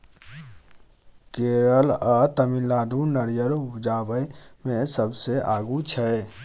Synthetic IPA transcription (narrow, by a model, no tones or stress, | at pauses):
keɾələːt̪əmilːaːɖunəɾijəɾʊd͡ʒaːbəjmẽsəbseʔaːɡut͡ʃʰɛ